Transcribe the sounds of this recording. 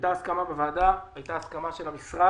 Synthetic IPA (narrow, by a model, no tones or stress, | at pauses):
taːskamabevaːdaajtaːskamaʃe̞lamisʁa